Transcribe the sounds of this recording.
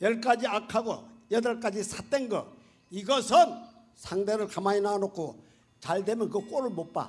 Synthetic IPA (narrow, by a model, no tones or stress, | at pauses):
jʌɭk͈ad͡ʑiakʰaɡo̰jʌdʌɭk͈ad͡ʑisʰat͈enɡʌ̰ | iɡʌsʰɯn | sʰaŋdeɾɯɭkamainanokʰo | t͡ɕaɭde̞mjʌnkɯk͈oɾɯɭmot̚p͈a̰